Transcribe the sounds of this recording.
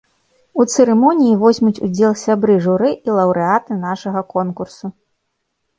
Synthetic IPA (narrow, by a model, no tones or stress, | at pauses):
ut̪sɨɾɛmɔnʲijivɔzʲmʲut͡sʲud͡zʲɛlˠsʲabɾɨʐuɾɨʔilˠɐwɾɨat̪ɨnaʂɐɣɐkɔnkursu